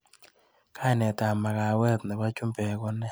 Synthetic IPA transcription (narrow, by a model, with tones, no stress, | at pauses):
kʰa˦˨nɛ˨ta˨ma˨ka˨wɛ˦t̪nɪ˨wa˦t͡ʃu˦mbɛ˨kɔ˦nɛ˦